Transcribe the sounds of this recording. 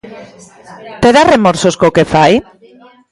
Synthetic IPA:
t̪eðaremoɾsoskokefaj

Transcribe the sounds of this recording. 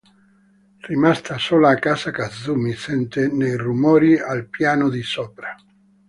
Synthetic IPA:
rimast̪ʰasoːlaːkːaːsakad̪zːumisɛnt̪enejrumɔːɾialpjaːnod̪isɔːpɾa

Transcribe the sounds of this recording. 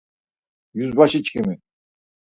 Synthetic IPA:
jyzbaʃit͡ʃkʰimi

